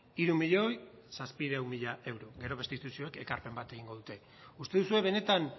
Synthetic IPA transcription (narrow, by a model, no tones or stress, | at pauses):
iɾumiʎo̞j | saspiðawmiʎae̞wɾoɣe̞ɾo̞βe̞st̪it̪usio̞eke̞kaɾpe̞mbat̪e̞ɣiŋɡo̞ð̞ut̪e̞ | ust̪e̞ðusue̞β̞e̞ne̞t̪an